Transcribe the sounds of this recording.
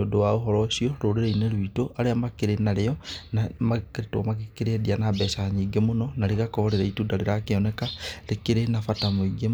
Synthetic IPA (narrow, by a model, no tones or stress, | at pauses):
odowaoɦoɾosioɾoɾeɾeineɾwitoʔaɾeamakeɾenaɾeɔmakɾetwamakekeɾeedianabɛsaaɲiɡemononaɾikakoɾeɾaitudaɾeɾakeonekalekiɾenafatamoiɡe